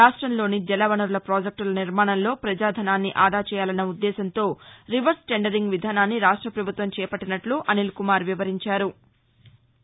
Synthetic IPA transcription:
aːʂʈɾɐmlo̞ːnid͡ʒɛlɐʋɐnɐɾlɐpɾoːd͡ʒek̚ʈulɐniɾmaːɳɐnlo̞ːpɾɐd͡ʒaːd̪ʱɐnaːnːiʔaːd̪ʱaːt͡ʃɛːjaːlɐnːɐud̪ːɛːsɐnt̪o̞ːɾiʋɐɾsʈeɳɖɐɾiŋɡʋid̪ʱaːnaːnːiɾaːʂʈɾɐpɾɐbʱut̪ʋɐmt͡ʃɛːɐpɐʈːinɐʈluʔɐnilkumaːɾʋiʋɐɾiɲt͡ʃaːɾu

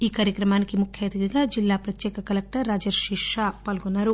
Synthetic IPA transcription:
iːkaːɾjɐkɾɐmaːnikimukʰjeːt̪ɐɡɐɡaːd͡ʒilːaːpɾɐt̪jɛːkɐkɐlɐk̚ʈɐɾːaːd͡ʒɐɾʃiʂaːpaːlɡunːaːɾu

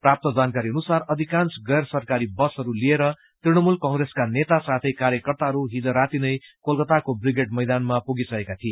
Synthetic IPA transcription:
prap̚t̪ʌd͡zankaɾiʌnusarʌd̪ʱikant͡sɡʌjrsʌrkaɾibʌsɦʌɾulieɾʌ | t̪riɽ̃ʌmulkʌŋɡɾeskanet̪asat̪ʰʌjkaɾjʌkʌrt̪aɦʌɾuɦid͡zʌɾat̪inʌjkolkʌt̪akobriɡeʈmʌjd̪anmapuɡisʌekat̪ʰie

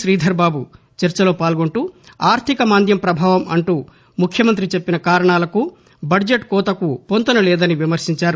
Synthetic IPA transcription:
ʃɾiːd̪ʱɐɾbaːbu | t͡ʃɐɾt͡ʃɐlo̞ːpaːlɡoɳʈuː | aːɾt̪ʰikɐmaːnd̪jɐmpɾɐbʱaːʋɐmɐɳʈuː | mukʰːjɐmɐnt̪ɾit͡ʃe̞pːinɐkaːɾɐɳaːlɐku | bɐd͡ʒeʈkɔːt̪ɐkupont̪ɐnɐlɛːd̪ɐniʋimɐɾsiɲt͡ʃaːɾu

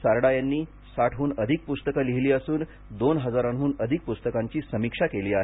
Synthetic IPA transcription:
saɾɽajanːiː | saʈʰuːnəd̪ʱik̚pust̪əkəliɦliːəsuːn | d̪onɦəd͡zaɾaɳɦuːnəd̪ʱik̚pust̪əkaɲt͡ɕiːsəmikʂakeliːaɦe

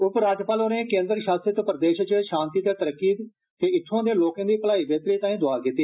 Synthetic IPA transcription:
ʊpɾaːd͡ʒpaːloːnẽːkẽːnd̪ɾʃaːsɾət̪ːpəɾəd̪eːʃt͡ʃʃãːnt̪iːt̪eːt̪əɾəkːiːd̪ | t̪eːɪt̪ʰːãːd̪eːloːkãːd̪iːpəlaːiːbeːt̪ɾiːt̪ãːĩːd̪ʊaːkit̪iː

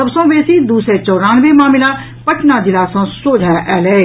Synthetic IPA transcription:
ɐbsõʋeːsid̪uːsɾet͡ʃɔːɾaːnʋemaːmɪla | pɐʈnad̪ɪlaːsãsoːd͡ʒʱaʔɛːlɛː

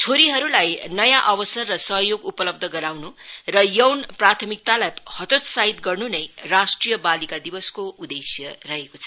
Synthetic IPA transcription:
t͡sʰoɾiɦʌɾulajnʌjãʔʌbʌsʌrːʌsʌɦjoɡupʌlʌb̚d̪ʱʌɡʌɾawnurʌjʌwnprat̪ʰʌmik̚t̪alajhʌt̪ot̪saɦit̪ɡʌrnunʌjrasʈrijʌbalikad̪ibʌskoʔud̪esjʌrʌɦekot͡sʰʌ̥

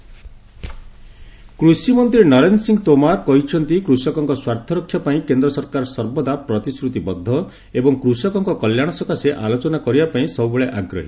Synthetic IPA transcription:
kɾusimɔnt̪ɾinɔɾensiŋɡɔt̪omaɾkɔɦit͡ʃʰɔnt̪ikɾusɔkɔŋkɔswaɾt̪ʰɔɾɔkʰjɔpaĩkend̪ɾɔsɔɾkaɾɔsɔɾbɔd̪apɾɔt̪iskɾut̪ibɔd̪ʱːɔ | ebɔŋkɾusɔkɔŋkɔkɔljaɽ̃ɔsɔkaseʔalot͡ʃɔnakɔɾibapaĩsɔbubeɭeʔaɡɾɔ̰ɦi

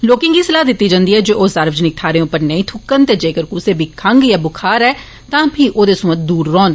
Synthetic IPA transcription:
loːkɪ̃ŋɡiːsəlaːd̪ɪt̪ːiːd͡ʒãːnd̪iːɛːd͡ʒoːʔoːsaːɾʋd͡ʒənɪk̚t̪ʰaːɾeːʊpəɾnəĩːt̪ʰʊkːənt̪eːd͡ʒeːkəɾkuːseːbʱikʰəŋɡjaːbʊkʰaːɾɛː | t̪ãːpʰiːʔoːd̪eːsʊmət̪̚d̪uːɾːɔːn

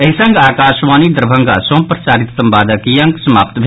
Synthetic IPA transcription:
ɐɦisɐŋɡaːkaːʃʋaːnid̪ɾɐbʱɐ̃ŋɡa̰sõːmpɾɐsaːɾit̪sɐmbaːd̪ɐkijɐŋɡsɐma̰ːpt̪bʱ

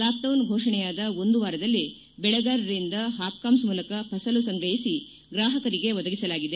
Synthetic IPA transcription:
laːp̚ʈɐwnɡʱɔːʂɐɳɛjaːd̪ɐo̞nd̪uʋaːɾɐd̪ɐlːi | bɛɭɛɡaːɾɐɾind̪ɐɦaːp̚kaːmsmuːlɐkɐpʰɐsɐlusɐŋɡɾɐjisi | ɡɾaːɦɐkɐɾiɡe̞ʋɔd̪ɐɡisɐlaːɡid̪e̞

